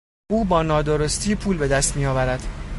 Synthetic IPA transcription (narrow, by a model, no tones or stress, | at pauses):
ʔuːbɒːnɒːd̪o̞ɾost̪ʰiːpʰuːlbe̞d̪æst̪miːjɒːvæɾæd̪̥